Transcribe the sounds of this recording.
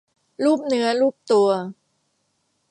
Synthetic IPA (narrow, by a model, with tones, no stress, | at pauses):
luː˥˩p̚nɯ˦˥ɐluː˥˩p̚t̪u˧ɐ